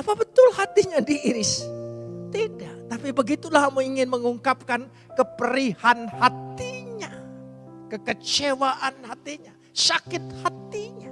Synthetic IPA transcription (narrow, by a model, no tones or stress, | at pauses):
apabət̪ʊlhat̪iɲadiːɾɪs | t̪idaʔt̪apibəɡit̪ulaɦamuiŋɪnməŋuŋkap̚kan | kəpəɾihanhat̪iɲa | kəkət͡ʃewaʔanhat̪iɲa | sakɪt̪̚hat̪iɲa